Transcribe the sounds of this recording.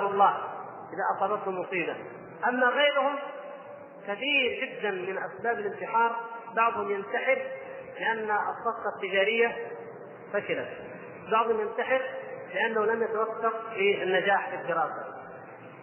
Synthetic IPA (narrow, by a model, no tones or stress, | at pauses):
wɑlˤːɑː | ʔɪðaʔɑsˤɑːd̪ɑt̪humːʊsˤiːba | ʔamːaɣeːɾhʊm | kaθiːɾd͡ʒɪd̪ːanmɪnʔasbaːbalɪnt̪ɪħɑːɾˤbɑʕd̪ˤhʊmjɪnt̪aħɪɾ | lɪʔanːaɑ̰sˤːɑqːɑt̪ːɪd͡ʒaːɾɪjːa | fakɪlat̪ | bɑʕd̪ˤhʊmjant̪aħɪɾlɪʔanːahulamjat̪awakːɑɾfianːad͡ʒaːħfid̪ːɪɾɑːsa̰